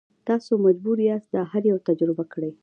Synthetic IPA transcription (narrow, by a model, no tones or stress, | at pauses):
t̪ɑsomad͡ʒbuɾiast̪̚d̪ɑhaɾjawt̪ad͡ʒɾɪbakəɽaj